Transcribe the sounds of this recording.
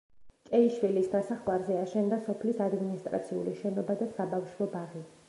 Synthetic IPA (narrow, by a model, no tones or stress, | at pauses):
t͡ʃʼɛiʃwilisɡ̪asaχwaɾzɛaʃɛnd̪asɔpʰlisad̪minist̪ʼɾa̰t̪sʰiṵliʃɛnɔbad̪asabafʃwɔbaʁi